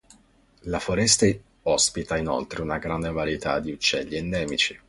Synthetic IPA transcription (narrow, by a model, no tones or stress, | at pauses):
lafoɾɛst̪e | ɔspit̪aino̰lt̪ɾeunaɡɾand̪evaɾjet̪ʰa̰d̪ːiut͡ʃːɛʎːiend̪ɛːmit͡ʃi